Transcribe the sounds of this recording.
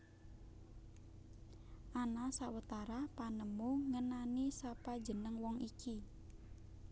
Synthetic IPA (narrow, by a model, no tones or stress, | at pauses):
ʔanasawət̪aɾapanəmuŋənanisapad̥d͡ʒə̤nəŋwɔŋiki